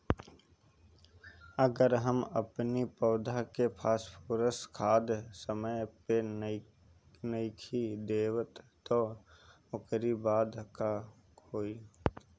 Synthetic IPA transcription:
əɡəɾɦəmə̰pnipəːd̪ʱakepʰaːspʰoːɾəskʰaːd̪səməjpe | nəɪkʰid̪eːwət̪ːo | ʊkɾibaːd̪ka | oːi

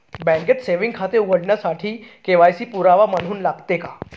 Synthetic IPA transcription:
bɛ̃ŋɡeʈ̪seʋĩŋɡkʰat̪euɡəɽɳjasaʈʰiːkeʋajsiːpuɾaʋamən̤uːnlaɡt̪eka

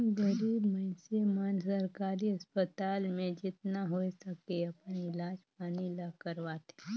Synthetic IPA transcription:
ɡəɾiːbməɪsemaːnsəɾkaːɾiɐspət̪aːlmẽd͡ʒɪt̪naɦoːisəkeɐpnɪlaːd͡ʒpaːnilakəɾʋaːt̪ɛ̥

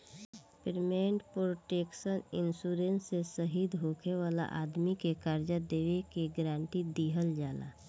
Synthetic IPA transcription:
pɪɾmeɳʈpɾoːʈeːksənɪnsuːɾensːesəɦiːd̪ɦoːkʰeʋaːla̰ʔaːd̪mikekaɾd͡ʒad̪eːwekeɡɾãːɳʈid̪iɦəld͡ʒaːla̰ː

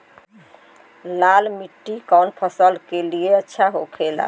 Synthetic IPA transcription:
lalmiʈːikawnpʰəsəlkelieətːʃʰaɦokʰela̰

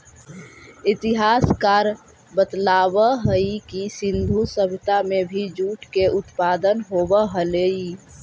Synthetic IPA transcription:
ɪt̪ɪɦaːskaːɾ | bət̪laːbəɦəikisɪ̃nd̪ʱusəbʱt̪amẽbʱid͡ʒuːʈkeʔʊt̪paːd̪ənɦoːbəɦəlei

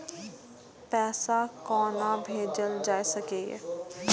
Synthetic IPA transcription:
pɛːsakɔːnabʱeːd͡ʒəld͡ʒaːesəkeːɡɛ̰ː

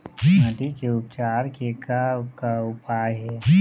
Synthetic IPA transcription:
nəʈikeʊpt͡ʃaːɾkekakaʊpaːjɦɛ

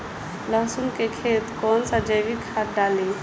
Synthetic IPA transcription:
ləɦsunkekʰeːt̪kɔːnsad͡ʒəʋikʰaɾɖaːli

